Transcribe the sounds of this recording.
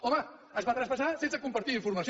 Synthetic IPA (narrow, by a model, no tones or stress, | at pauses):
oma | əzβat̪ɾaspasasent͡sakumpaɾt̪iiɱfuɾmas